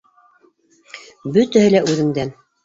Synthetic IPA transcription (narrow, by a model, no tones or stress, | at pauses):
bɵt̪æhɘlæʔʉðɘ̆ŋd̪æn